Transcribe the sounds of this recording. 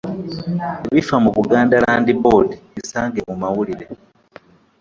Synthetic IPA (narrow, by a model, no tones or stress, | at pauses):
eβifamuβuɡaːndalaːndibodiβisaːŋɡe̞mumawuliɾe